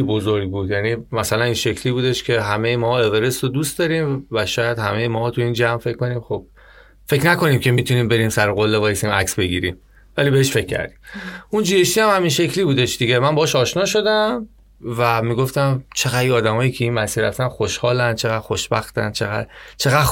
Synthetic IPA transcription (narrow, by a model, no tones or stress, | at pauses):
bozoɾɡbuːd̪jænimæsælæninʃe̞kʰliːbuːd̪e̞ʃcʰe̞ɦæme̞jemɒe̞veɾesod̪uːst̪d̪ɒɾiːmvæʃɒːjæd̪hæmejemɒːht̪ʰuiːnd͡ʒæmfe̞cʰkːo̞niːmxob̥̚ | fe̞cnæko̞niːmcʰe̞mit̪ʰuniːmbe̞ɾiːmsæɾoɣolːe̞vɒːjesiːmæ̰ksbe̞ɡiːɾḭːm | væliːbe̞eʃfe̞cʲʰːæ̰ɾd̪i̥mund͡ʒiːeʃt̪iːæmhæminʃe̞cʰliːbuːd̪e̞ʃd̪iɟe̞mænbɒːʃɒːʃnɒːʃo̞d̪æm | væmiːɡoft̪æmt͡ʃʰeɣæd̪iɒːd̪æmɒːjiːcʰe̞iːnmæsiːɾæ̰ft̪ænxoʃhɒːlæn̥t͡ʃʰeɣæd̥̪xoʃb̥æxt̪æ̰nt͡ʃʰeɣæ̰d̪t͡ʃʰe̞ɣæ